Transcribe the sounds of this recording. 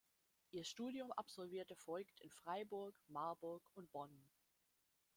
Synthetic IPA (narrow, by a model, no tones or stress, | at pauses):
ʔiːɐʃtuːdjʊmʔa̰pz̥ɔlviːɐtəfɔlktɪnfʁ̥aɪbʊɐkmaɐbʊɐkʊnt̚b̥ɔn